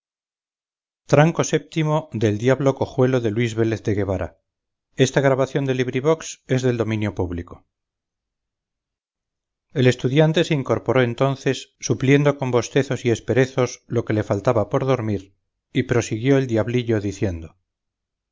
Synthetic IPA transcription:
t̪ɾaŋko̞se̞p̚t̪imo̞ðe̞ld̪jaβlo̞ko̞xwe̞lo̞ðe̞lwizβe̞le̞θðe̞ɣe̞βaɾa̰ | e̞st̪aɣ̞ɾaβaθjo̞nd̪e̞liβɾiβ̞o̞kse̞zðe̞ld̪o̞mĩnjo̞puβliko̞ | e̞le̞st̪uðjant̪e̞seiŋko̞ɾpo̞ɾo̞e̞nt̪o̞nθe̞sːuplje̞nd̪o̞ko̞mbo̞st̪e̞θo̞sie̞spe̞ɾe̞θo̞slo̞ke̞le̞falt̪aβapo̞ɾðo̞ɾmiɾ | ipɾo̞siɣjo̞eld̪jaβliʎo̞ðiθje̞nd̪o

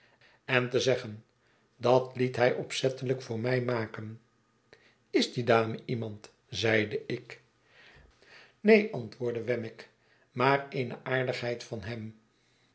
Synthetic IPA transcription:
ɛntəzɛχən | dɑtlitɦɛjʔɔpsɛtələkfʊːɹmɛjmaːkən | ɪzdidaːməʔimɑnt | zɛjdəʔɪk | nejʔɑntʋʊːɹdəʋɛmɪk | maːrejnəʔaːɹdəχɦɛjtfɑnɦɛm

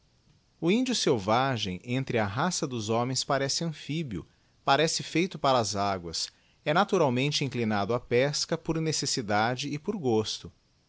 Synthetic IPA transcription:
ʊĩnd͡ʒʊsewvaʒẽj̃ẽnt̪ɾɪɐɦasɐd̪ʊzɔ̃mẽj̃spaɾɛsɪɐ̃fibiʊ̰ | paɾɛsɪfejt̪ʊpaɾɐːzaɡwɐs | ɛnat̪uɾawmẽnt͡ʃɪĩŋklinad̪ʊapɛskɐpoɾnesesid̪ad͡ʒɪːpoɾɡost̪ʊ

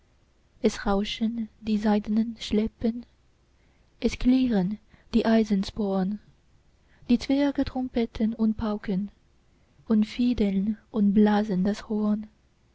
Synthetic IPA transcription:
ʔɛsʁaʊʃəndiːzaɪdənənʃlɛpən | ʔɛskʰliːʁənd̥iːʔaɪzənspoːn | d̥iːt͡sv̥ɛɐɡətʁ̥ʊmpɛtʰənʊnt̚pʰaʊkən | ʔʊntfiːdənʔʊntblaːzəndashoːn

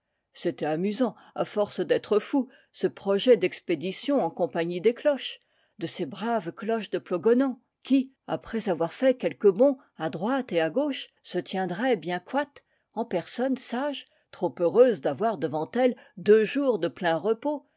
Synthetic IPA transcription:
set̪ɛamyzɑ̃ | a̰fɔʁsd̪ɛt̪χəfu | səpχɔʒɛd̪ɛksped̪isjɔ̃ɑ̃kɔ̃paɲid̪eklɔʃ | d̪əsebʁavklɔʃd̪əplɔɡɔnɑ̃ | kʲi | a̰pχɛzavwaʁfɛkʲɛlkəbɔ̃ | ad̪ʁwat̪eaɡoʃsət̪jɛ̃d̪ʁɛbjɛ̃kwat̪ | ɑ̃pɛʁsɔnsaʒ | t̪χopøʁøzd̪avwaʁd̪əvɑ̃t̪ɛld̪øʒuʁd̪əplɛ̃ʁəpo

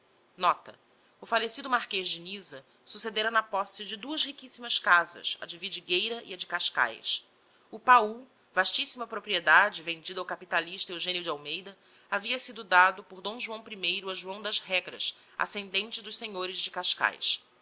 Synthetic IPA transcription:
nɔt̪ɐ̰ | ʊfalesid̪ʊmaχkeʒd͡ʒɪnizɐ | sused̪eɾɐnɐpɔsɪd͡ʒɪd̪uɐʃhikisimɐskazɐ̰sɐ̰d͡ʒɪvid͡ʒiɡejɾɐʔḭɐd͡ʒɪkaʃka̰js | ʊpau | v̥aʃt͡ʃisimɐpɾopɾied̪ad͡ʒɪvẽnd͡ʒid̪ɐawkapit̪aliʃt̪ɐewʒẽnjʊd͡ʒawmejd̪ɐ | aviɐsid̪ʊd̪ad̪ʊpʊɾd̪õw̃ʒuɐ̃w̃pɾimejɾʊɐʒuɐ̃w̃d̪ɐzɦɛɡɾɐ̰s | a̰sẽnd̪ẽnt͡ʃɪd̪ʊʃseɲoɾɪzd͡ʒɪkaʃka̰js

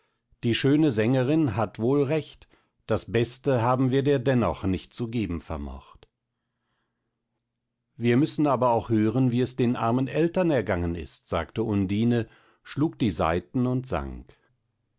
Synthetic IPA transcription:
d̥iːʃøːnəzɛŋəʁɪnɦatv̥oːlʁɛçt | d̥asb̥ɛstəɦaːbm̩viːɐdeːɐdɛnɔ̰χnɪçt̚t͡suɡeːbm̩fɛɐmɔ̰χt | viːɐmʏsn̩aːbɐaʊxhøːʁənviːɛsd̥eːnʔa̰ɐmənʔɛltɐnɛɐɡaŋənɪ̰stz̥a̰ːktəʊndiːnə | ʃluːk̚d̥iːza̰ɪtn̩ʊntz̥a̰ŋk

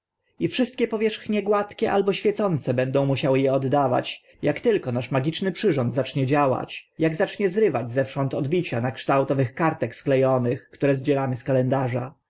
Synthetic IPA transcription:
ifʂɘst̪̚kʲɛpɔvʲjɛʂxɲɛɡwat̪kʲɛʔalbɔɕfʲjɛt̪sɔnt̪sɛbɛnd̪ɔ̃w̃muɕawɘjɛɔd̪ːava̰t͡ɕ | jakt̪ɘlkɔnaʂmaɡʲit͡ʂnɘpʂɘʐɔnd̪zat͡ʂɲɛd͡ʑawa̰t͡ɕjaɡzat͡ʂɲɛzɾɘvad͡ʑzɛfʂɔnt̪ɔd̪bʲit͡ɕanakʂt̪awt̪ɔvɘxkaɾt̪ɛksklɛjɔnɘxkt̪uɾɛzd͡ʑɛlamɘskalɛnd̪aʐa̰

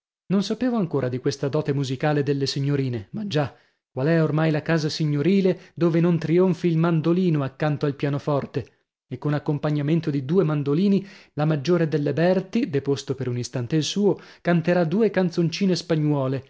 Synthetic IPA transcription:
nonsapeːvoaŋkoːɾad̪ikwest̪ad̪ɔːt̪emuzikaːled̪elːesiɲːoɾiːnemad͡ʒːa | kːwalɛormajlakaːzasiɲːoɾiːled̪oːvenont̪ɾioɱfiːlmand̪oliːnoakːant̪oalpjaːnofɔrt̪e | ekːonakːompaɲːament̪od̪id̪uːemand̪oliːnilamad͡ʒːoːɾed̪elːebɛrt̪id̪epost̪opeɾunist̪ant̪eilsuːokant̪eɾad̪uːekant̪sont͡ʃiːnespaɲːwɔːle

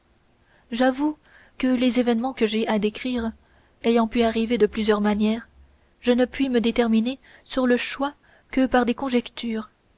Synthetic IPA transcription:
ʒavu | kəlezevɛnmɑ̃kəʒeʔad̪ekχiːʁ | ejɑ̃pyaʁived̪əplyzjœʁmanjɛːʁ | ʒənəpɥiməd̪et̪ɛʁmine | syʁləʃwa | kəpaʁd̪ekɔ̃ʒɛkt̪ʰyːʁ

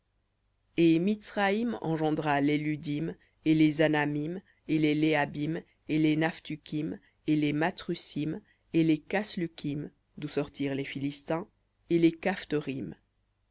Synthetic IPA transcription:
emit̪sχaimɑ̰̃ʒɑ̃d̪ʁalelyd̪im | elezanamim | eleleabim | elenaft̪ykʲʰim | elemat̪χysim | elekaslykʲʰim | d̪usɔʁt̪iʁlefilist̪ɛ̃ | elekaft̪ɔʁim

